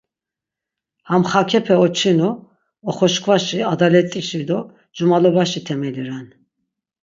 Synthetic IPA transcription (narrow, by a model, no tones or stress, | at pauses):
hamχakʰɛpʰɛɔt͡ʃʰinu | ɔχɔʃkʰvaʃiad̪alɛt̪ʼiʃid̪ɔ | d͡ʒumalɔbaʃit̪ʰɛmɛliɾan